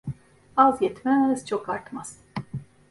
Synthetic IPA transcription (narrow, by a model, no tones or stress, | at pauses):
azjɛt̪mæz̥t͡ʃʰo̞kaɾt̪maz̥